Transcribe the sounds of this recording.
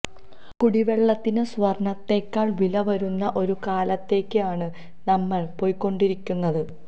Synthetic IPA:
kuɽiʋe̞ɭːɐt̪ːinɨsʋɐrɳɐt̪ːe̞ːkʲːaːɭʋilɐʋɐɾunːɐʔo̞ɾukaːlɐt̪ːe̞ːkːɨaːɳɨ | nɐmːɐɭpo̞ːjkːo̞ɳɖiɾikʲːunːɐðɨ

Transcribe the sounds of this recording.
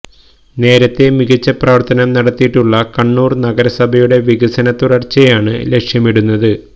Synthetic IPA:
ne̞ːɾɐt̪ːe̞miɣɐt͡ɕːɐpraːʋɐrt̪ɐnɐmnɐɽɐt̪ːijiʈːuɭːɐkɐɳːuːrnɐɡɐɾɐsɐbʱɐjuɽe̞ʋiɣɐsɐnɐt̪ːuɽɐrt͡ɕːɐjaːɳɨ̰le̞kʂjɐmiɽunːɐðɨ

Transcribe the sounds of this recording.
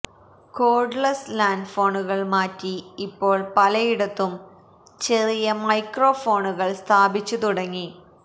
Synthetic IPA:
ko̞ːrɖɭɐslaːnɖfo̞ːɳuɣɐɭmaːtːiːpːo̞ːɭpɐlɐjiɽɐt̪ːum | t͡ɕe̞rijɐmɐjkro̞ːfo̞ːɳuɣɐɭst̪ʰaːbit͡ɕːut̪uɽɐŋːi

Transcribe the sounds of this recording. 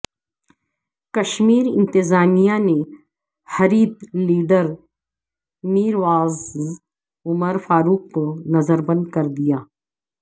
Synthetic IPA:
kɐʃmiːɾɪ̰̃nt̪ɪzaːmijane | hɐɾiːd̪liːɖəɾ | miːɾʋaːz | ʊməɾfaːɾuːk̚pənɐzəɾbɐ̃nd̪̚kɐɾd̪ijaː

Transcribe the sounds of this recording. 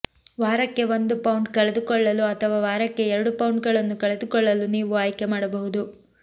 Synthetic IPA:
ʋaːɾɐkːe̞ʋond̪upɐwuɳɖkɐɭed̪ukɔɭːɐluɐt̪ʰɐʋaːʋaːɾɐkːe̞ɛɾɐɽupɐwɳɖ̚ɡɐɭɐnːukɐɭed̪ukɔɭːɐluniːʋuaːjke̞maːɽɐbɐɦud̪u

